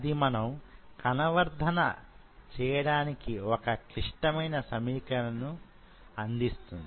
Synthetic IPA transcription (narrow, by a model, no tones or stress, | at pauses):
ɐd̪imɐnɐmkɐnɐʋɐɾd̪ʱɐnɐ̰ | t͡ʃɛːjɐɽaːnikiokɐkɾiʂʈɐmɐjnɐsɐmiːkɐlɐnu | ɐnd̪ist̪und̪i